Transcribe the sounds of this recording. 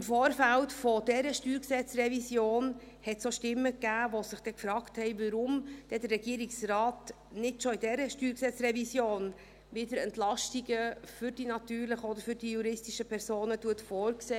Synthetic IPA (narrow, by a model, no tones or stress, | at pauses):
ɪmfoːɾfæltfod̥ɛɾəʃtyːɾksɛt͡srɛvisjoːn | hɛtsoʃtɪmːəkːæːvosɪχd̥ɛkfɾɑːkthɛɪvəɾʊmd̥ɛdərːɛɡ̥iːəɾiksrɑːt | nɪtʃoɪdɛɾəʃtyːɾksɛt͡sɾɛvisjoːn | vɪdəɾɛntlɑʃtiɡəfʏɾd̥inɑtyːɾlɪχəɔd̪əɾfʏɾdijuɾɪstiʃəpʰɛɾsoːnətuətfoːɾkseː